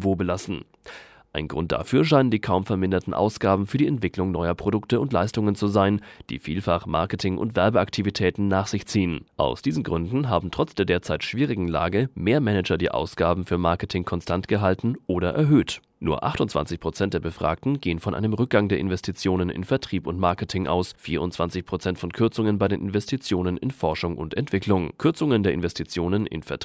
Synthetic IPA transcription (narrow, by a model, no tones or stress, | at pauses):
voːbəlasn̩ | ʔaɪnɡʁʊnt̚d̥a̰fyːɐʃ̬aɪnəndiːkʰaʊmfɛɐmɪndɐtn̩ʔa̰ʊsɡ̥aːbm̩fyːɐdiːɛntv̥ɪklʊŋnɔʏɐpʁ̥odʊktəʊntlaɪstʊŋənt͡suzaɪnd̥ḭːfḭːlfaχma̰ɐkətʰɪŋʔʊ̰ntv̥ɛɐbəʔaktʰivitʰɛːtn̩naːχz̥ɪçt͡siːənʔa̰ʊsd̥iːzn̩ɡʁʏndn̩ɦaːbm̩tʁ̥ɔt͡sd̥eːɐdeːɐt͡saɪtʃv̥iːʁɪɡŋ̩la̰ːɡəmeːɐmɛnɛd͡ʒɐdiːʔa̰ʊsɡ̥aːbm̩fyːɐmaɐkətʰɪŋkʰɔnstʰantɡ̥əɦaltn̩ʔoːɾɐʔɛɐɦøːt | nuːɐʔa̰χtʊntt͡sa̰nt͡sɪçpʁ̥ot͡sɛnt̚d̥eːɐbəfʁ̥a̰ːk̚tn̩ɡeːənfɔnʔa̰ɪnəmʁʏk̚ɡ̥aŋdeːɐʔɪnvɛstʰit͡sjoːnənɪ̰nfɛɐtʁ̥iːpʊntmaɐkətʰɪŋʔa̰ʊsfiːɐʊntt͡sv̥ant͡sɪçpʁ̥ot͡sɛntfɔnkʰʏɐt͡sʊŋənbaɪdeːnʔɪ̰nvɛstʰit͡sjoːnənɪ̰nfɔɐʃʊŋʔʊ̰ntɛntv̥ɪklʊŋkʰʏɐt͡sʊŋəndeːɐʔɪ̰nvɛstʰit͡sjoːnənʔɪ̰nfɛɐt